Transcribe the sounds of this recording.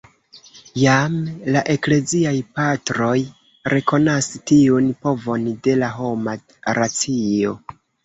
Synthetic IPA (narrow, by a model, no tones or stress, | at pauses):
jamlaʔe̞kle̞ziajpatɾo̞j | ɾʔe̞ko̞nastiunpo̞vo̞nde̞laɦo̞ma | ɾat͡sio̞̰